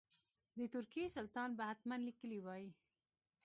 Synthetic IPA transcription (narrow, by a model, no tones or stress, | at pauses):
d̪ət̪ʊɾkijesalt̪ɑnbahat̪manlikəliwɑji